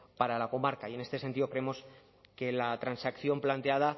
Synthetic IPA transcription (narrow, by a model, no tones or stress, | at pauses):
paɾalako̞maɾkaie̞ne̞st̪e̞se̞nt̪iðo̞kɾe̞emo̞s | ke̞lat̪ɾansakθjo̞mplant̪e̞aða